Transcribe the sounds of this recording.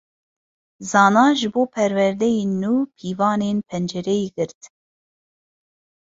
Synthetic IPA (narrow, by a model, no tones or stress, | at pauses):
zɑːnɑːʒɨboːpʰɛɾwɛɾd̪ɛjeːnːuːpʰiːvɑːneːnpʰɛnd͡ʒɛɾɛjeːɡɨɾt̪